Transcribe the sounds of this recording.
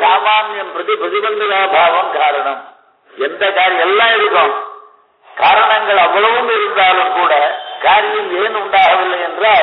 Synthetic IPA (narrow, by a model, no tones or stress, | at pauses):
saːmaːnjɐmpɾɐðipɾɐðɪbɐnd̪ɐnaːbʱaːʋɐmkaːɾɐɳɐm | ɛnd̪ɐkaːɾɪjɛlːãːɪɽɯkːɐm | kaːɾɐɳɐŋɡɐɭɐʋːɐɭɐʋɯmɪɾɯk̪ɾaːlɯmkuːɽɐkaːɾɪjɪleːnʊɳɖaːɣɐʋɪlːɐjɛndraːɭ